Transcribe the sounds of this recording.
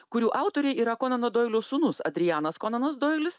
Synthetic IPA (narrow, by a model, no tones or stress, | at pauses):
kʊɾʲuːʔɑˑʊt̪oɾʲɛɪiːɾɐkoːnɐnod̪oːɪlʲoːsuːnʊsɐ̰d̪ʲɾʲɪjæːnɐskoːnɐnoːsd̪oːjɪlʲɪs